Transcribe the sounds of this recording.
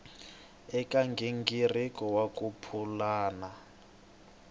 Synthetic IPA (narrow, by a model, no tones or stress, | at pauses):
ɛkʼaŋɡʱiŋɡirikʼɔwakʼupʰulaːna